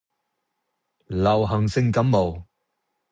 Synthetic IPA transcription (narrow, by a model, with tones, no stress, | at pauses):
lɐ˨˩wɦɐ˨˩ŋsɪ˥˧ŋkɐ˨˥mːo˨w